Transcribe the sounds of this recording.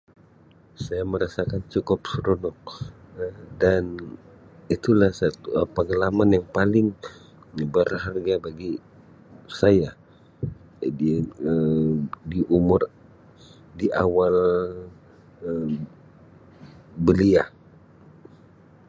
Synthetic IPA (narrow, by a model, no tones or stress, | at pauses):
sajaməɾasakant͡ʃukʊp̚səɾonɔk̚ | dan | it̪ulahsat̪uəpəŋəlamanjaŋpalɪŋ | ɲəbərɦarɡabaɡi | saja | iədiʔumʊr | diʔawal | ə | bəliah